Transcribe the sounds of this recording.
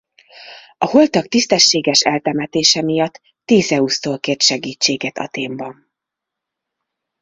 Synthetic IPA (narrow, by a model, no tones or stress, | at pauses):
ɒho̞lt̪ɒk̚t̪ist̪ɛʃːeːɡɛʃɛlt̪ɛmɛt̪eːʃɛmijɒt̪ː | eːzɛust̪oːlkeːrt̪ʃɛɡiːt͡ʃːeːɡɛt̪ɒ̰t̪eːmbɒn